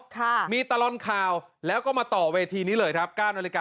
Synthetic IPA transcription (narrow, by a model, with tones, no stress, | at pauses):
kʰa˥˩miː˧t̪a˧lɔ˧nkʰaː˧w | lɛː˦˥wkɔː˥˩maː˧t̪ɔː˨˩weː˧t̪ʰiː˧niː˦˥lɤː˧jkʰɾa˦˥p̚kaː˥˩nwaː˧li˦˥kaː˨˩